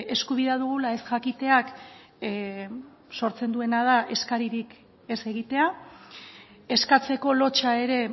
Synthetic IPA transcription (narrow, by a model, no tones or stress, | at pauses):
e̞skuβiðaðuɣ̞ulae̞sʝakit̪e̞ak | so̞ɾt͡se̞nd̪ue̞nað̞aʔe̞skaɾiɾik | e̞se̞ɣit̪e̞a | e̞skat͡se̞ko̞lo̞t͡ʃae̞ɾe̞